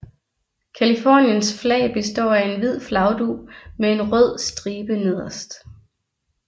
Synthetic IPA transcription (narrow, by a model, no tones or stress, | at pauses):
kʰælifɒ̰ːnjənsflɛ̰ːɪb̥e̝sd̥ɒ̰ːæe̝nʋið̞̰ˠflɑ̈ʊd̥umee̝nʁɔð̰ˠsd̥ʁiːb̥əne̝ð̞̰ˠɐsd̥